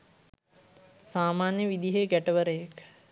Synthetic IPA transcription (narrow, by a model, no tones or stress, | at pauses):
saːmaːnjəʋid̪iɦeɡæʈəʋəɾəjek